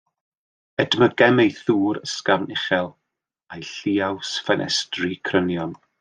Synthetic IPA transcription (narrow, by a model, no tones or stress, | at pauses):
ɛdməɡɛmejθuːɾəskavnɪχɛlˠ | ajɬiːawsfanʔɛ̰strikʰrənjɔn